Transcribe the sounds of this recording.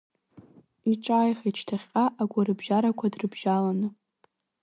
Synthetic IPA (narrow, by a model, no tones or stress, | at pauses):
iʈ͡ʂʼaːjχit͡ʃʰtʰaχʲqʼaʔaɡʷaɾɨbʒaɾakʷʰadrɨbʒalanɨ